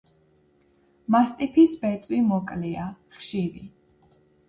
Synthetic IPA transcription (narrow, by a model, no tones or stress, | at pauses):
mast̪ʼipʰisbɛt̪sʼwimɔkʼliaχʃiɾḭ